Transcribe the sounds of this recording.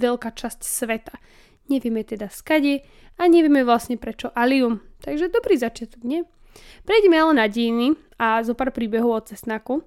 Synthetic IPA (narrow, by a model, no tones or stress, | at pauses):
ʋɛʎkaːt͡ʃascsʋɛt̪ḁ | ɲɛʋɪɛmɛt̪ɛd̪askaɟɛ | aɲɛʋɪɛmɛʋlasɲɛpɾɛt͡ʃɔʔaliumt̪aɡʒɛd̪ɔbɾiːzat͡ʃɪat̪ɔɡɲɛ | pɾɛjɟɛmɛalɛnaɟɛjni | azɔpaːɾpɾiːbɛɦɔʊɔt̪̚t͡sɛst̪naku